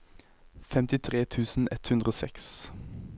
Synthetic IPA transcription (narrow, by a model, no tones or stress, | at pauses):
fɛmt̪ɪt̪ʰʁeːt̪ʰʉːsn̩ɛt̪hʉnʁəoːsɛ̰ks